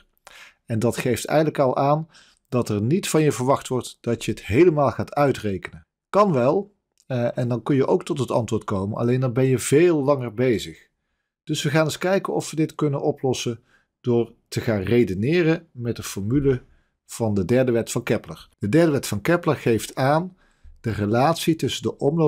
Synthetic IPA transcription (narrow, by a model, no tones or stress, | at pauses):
ɛndɑtχejftɛ̰jɣədləkɑlˠʔaːn | d̥ɑtɛɹnitfɑnjəvəɹʋɑxtʋɔɹtd̥ɑtjəətɦejləmaːlˠχaːtœɥtrejkənən | kɑnʋɛlˠ | ʔɛndɑnkɵnjəʔowk̚tɔtɦətɑ̰ntʋʊːɹt̚kowmənɑ̰lejndɑnbɛnjəv̥eːlˠːɑŋəɹbejzəχ | d̥ɵsʋəχaːnɪskɛjkənɔ̰fʋədɪtkɵnənʔɔplɔsən | d̥ʊːɹtəχaːnrejdənɪːrəmɛt̚dəfɔɹmylə | v̥ɑndədɛɹdəʋɛtfɑnkɛpləɹd̥ədɛɹdəʋɛtfɑnkɛpləɹχejftaːn | d̥ərəlaːtsitɵsəndəʔɔmlo